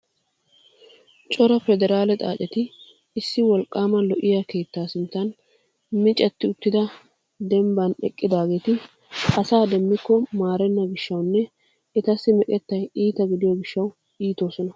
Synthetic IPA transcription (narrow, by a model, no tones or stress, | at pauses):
t͡ʃʼɔɾɐfɛd̪ɛɾaːlɛt̪ʼa̰ːt͡ʃʼɛt̪ɪː | sːɪwɔlkʼːaːmɐlɔʔɪjake̞ːt̪ːaːsʊnt̪ːɐn | mɪt͡ʃʼɛt̪ːɪʊt̪ːɪd̪ɐ | d̪ɛmbɐnɛ̰kʼːɪd̪aːɡe̞ːt̪ɪ | ɐsaːd̪ɛmːɪkːɔmaːɾɛnːɐɡɪʃːɐwnːɛ | ɛt̪ɐsːɪmɛkʼɛt̪ːɐjiːt̪ɐɡɪd̪ɪjoɡɪʃːɐw | iːt̪o̞ːsɔnɐ